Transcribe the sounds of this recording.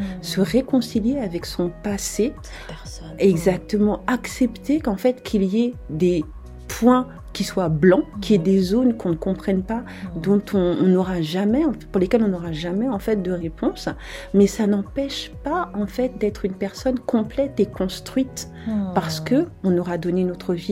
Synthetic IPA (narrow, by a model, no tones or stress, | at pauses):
səʁekɔ̃siljeavɛksɔ̃pase | ɛɡzak̚t̪əmɑ̃aksɛpt̪ekɑ̃fɛt̪kʰʲiliɛd̪e | pwɛ̃ | kʲiswablɑ̃kʰʲiɛd̪ezonkɔ̃nəkɔ̃pχɛnpa | d̪ɔ̃t̪ʰɔ̃nɔʁaʒamɛɑ̃fɛpuʁlekʲɛlɔ̃nɔʁaʒamɛɑ̃fɛt̪̚d̪əʁepʰɔ̃s | mɛsanɑ̃pɛʃpaɑ̃fɛt̪̚d̪ɛt̪χynpɛʁsɔnkɔ̃plɛt̪ekɔ̃st̪χɥit̪ | paʁsə̥kəɔ̃nɔʁad̪ɔneynot̪χəvi